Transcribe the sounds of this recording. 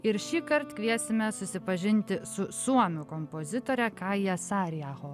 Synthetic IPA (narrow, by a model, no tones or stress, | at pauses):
ɪɾʃʲiːkɐɾt̪kʲʋʲiɛsʲɪmʲɛsʊsʲɪpɐʒʲɪnʲt̪ʲɪsʊsuɔnʊkompozʲɪt̪oːɾʲɛkɑɪjɛsɑːɾʲjæːɣoː